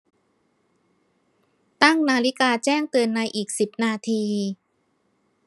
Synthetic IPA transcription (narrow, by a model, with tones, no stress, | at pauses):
t̪a˥˩ŋnaː˧li˦˥kaː˧t͡ɕɛː˥˩ŋt̪ɯː˧ənːa˧jʔiː˨˩k̚si˨˩p̚naː˧t̪ʰiː˧